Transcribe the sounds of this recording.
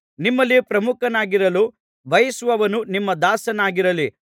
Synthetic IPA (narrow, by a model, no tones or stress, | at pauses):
nimːɐlːipɾɐmukɐnaːɡiɾɐlu | bʱɐjɐsʋɐʋɐnunimːɐd̪aːsɐnaːɡiɾɐli